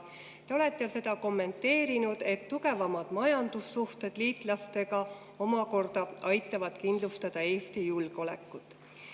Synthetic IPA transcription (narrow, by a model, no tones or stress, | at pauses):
t̪eo̞let̪ˑːese̞d̪̥ɑko̞mːe̞nt̪ːe̞ːɾinud̪̥e̞t̪ːuɡe̞vɑmɑd̪̥mɑjɑnd̪̥usːuht̪e̞d̪̥liːt̪ˑlɑst̪e̞ɡɑ | o̞mɑko̞rd̪̥ɑɑjt̪ːˑɑvɑd̪̥kind̪lust̪ɑd̪̥ɑe̞ːst̪ijulɡ̥o̞lekːˑut̪ːˑ